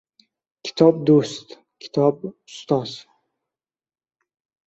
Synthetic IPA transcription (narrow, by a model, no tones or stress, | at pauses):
kʲʰɪ̥t̪ʰɒb̚d̪ost̪ | kʲʰi̥t̪ʰɒbʊst̪ʰɒz